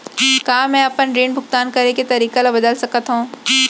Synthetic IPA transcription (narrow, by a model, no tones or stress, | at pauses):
kaːmɛ̃ːɐpənɾiːɳbʱʊɡt̪aːnkɐɾeket̪ɐɾiːkalabɐd̪əlsɐkət̪ɦũː